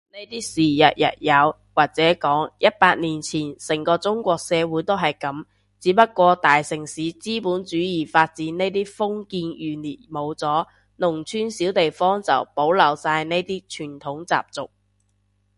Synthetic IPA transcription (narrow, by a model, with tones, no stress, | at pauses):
ne˥jt̪iː˥siː˨jɐ̰˨t̚jɐ̰˨t̚jɐ˨˧w | waː˨˩k̚t͡sɛː˨˥kɔː˨˥ŋjɐ˥t̚paː˧t̚niː˨˩nt͡sʰiː˨˩nsɪ˨˩ŋkɔː˧t͡sʊ˥ŋkʷɔː˧k̚sɛː˨˧wuː˨˥jt̪o˥wɦɐ˨jkɐ˨˥m | t͡siː˨˥pɐ˥t̚kʷːɔː˧t̪aː˨jsɪ˨˩ŋsiː˨˥t͡siː˥puː˨˥nt͡ʃyː˨˥jiː˨˩faː˧t̚t͡siː˨˥nne˥jt̪iː˥fʊ˥ŋkiː˧njyː˨niː˨˩tmo˨˧wt͡sɔː˨˥ | nʊ˨˩ŋt͡ʃʰyː˥nsiː˨˥wt̪e˨jfɔː˥ŋt͡sɐ̰˨˩wpo˨˥wlɐ˨˩wsaː˧jne˥jt̪iː˥t͡ʃʰyː˨˩nt̪ʰʊ˨˥ŋt͡sa̰ː˨p̚t͡sʊ̰˨k̚